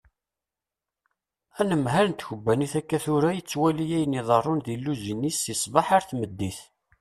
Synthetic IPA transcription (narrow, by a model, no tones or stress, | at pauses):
ænəmɦæɾnt̪çəbːæniθækːæθʊɾajət͡sːwælijæjniðˤərˤːʊnðilːuzinːisisˤvɑħaɾθməd̪ːiθ